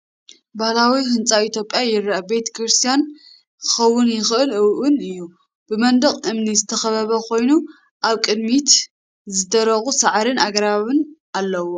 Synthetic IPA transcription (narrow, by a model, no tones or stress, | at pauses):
bahlawihɨnt͡sʼait̪ʰjo̞pʼːjajɪɾʔabe̞t̪ʰɐ̥kʰɾɨst̪ʰijan | kʰɨ̥xɐwːʊnjɪxʔɨlɨwʔʊnɨjːu | b̥ɨmɐnd̪ɐχʼʔɨmnizɨt̪ʰɐxɐβɐβɐkʰo̞jnu | ʔaβkʼɨd̪mit̪ | zɨd̪ɐɾɐxusaʕɾɨnaɡɾaβɨn | alːɐwo